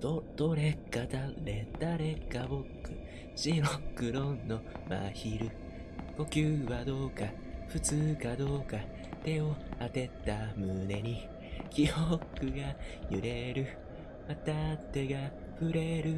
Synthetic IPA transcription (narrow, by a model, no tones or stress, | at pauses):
od̪̥o̞ɾe̞kːat̪aɾet̪aɾe̞kːabokːɯ | ɕiɾokːɯ̟ɾõ̞nːo̞ma̰çiɾɯ̟ | ko̞kʲɯːβad̪o̞ːka | ɸɯ̟t͡sɨːkad̪o̞ːka | t̪e̞o̞at̪e̞t̪ːamɯ̟ne̞ɲ̟i | kʲijokɯ̟ɡajɯ̟ɾʔe̞ɾɯ̟ | mat̪at̪ːe̞ɡa | ɸɯ̟ɾe̞ɾɯ̟